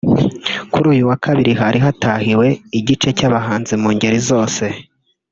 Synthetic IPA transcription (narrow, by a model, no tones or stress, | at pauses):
kuɾuːjuwakʰaβiɾiɦaɾiɦatahiwe̞iɟit͡ʃe̞caβaɦaːnzimuːɲɟeɾizo̞ːse̞